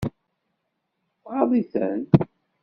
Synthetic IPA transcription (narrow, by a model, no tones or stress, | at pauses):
θʁɑðˤiθə̰n